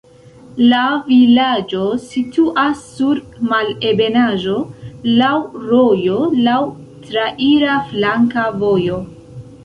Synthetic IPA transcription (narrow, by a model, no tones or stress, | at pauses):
lavilad͡ʒo̞situʔasːuɾ | male̞be̞naʒo̞lawɾo̞jo̞law | tɾaʔiɾaflaŋkavo̞jo̞